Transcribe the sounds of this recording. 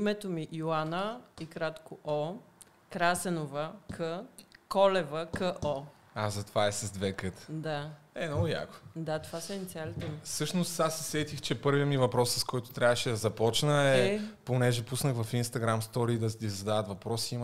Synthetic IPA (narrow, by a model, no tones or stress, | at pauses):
imɛt̪omiʔjoanəikɾat̪koʔo | kɾasɛnovəkʰəkɔlɛvəkəʔɔ | azɐt̪ovaɛsɐzd̪vɛkət̪d̪a | ɛnɔja̰ko̥d̪at̪ovasɐinit̪ialit̪ɛmisɤʃnost̪asːɛsɛt̪ixt͡ʃɛpɤɾviəmivɐpɾɔsːəskɔjt̪ʊ̥t̪ɾʲabvəʃɛd̪ɐzɐpɔt͡ʃnəɛponɛʒɛpusnəxvɐfinst̪ɐɡɾamst̪ɔɾiːd̪ɐt̪izɐd̪aðət̪vɐpɾɔsiim